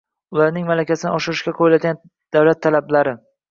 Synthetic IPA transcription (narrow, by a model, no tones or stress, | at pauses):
ʊlaɾnɪŋmalakʲasɪnɪɒʃɪɾɪʃkʲaqʰojlad̪ʲɡʲan | d̪̥awlat̪ʰːalablaɾɪ